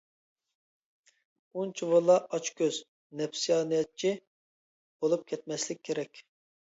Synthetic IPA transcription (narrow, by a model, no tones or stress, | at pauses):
unt͡ʃʰivɑlˠːɑɑt͡ʃkʲʰøz̥ | nɛpsijɑːnijɛt̪̚t͡ʃʰi | b̥olˠup̚kʲʰɛt̪̚mɛslɪk̚ʲʰːeɾɛkʲ